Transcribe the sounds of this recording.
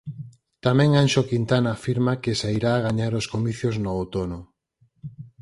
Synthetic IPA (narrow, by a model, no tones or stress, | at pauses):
t̪amɛ̃ŋanʃokint̪anaːfiɾmakesaiɾaːɣaɲaɾoskomiθjoznoowt̪ono